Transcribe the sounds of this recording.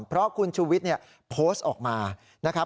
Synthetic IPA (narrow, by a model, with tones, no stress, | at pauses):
mpʰɾɔ˦˥kʰu˧nt͡ɕʰuː˧wi˦˥t̪̚ni˥˩ɐ | pʰoː˦˥st̪ʔɔː˨˩k̚maː˧ | na˦˥kʰa˦˥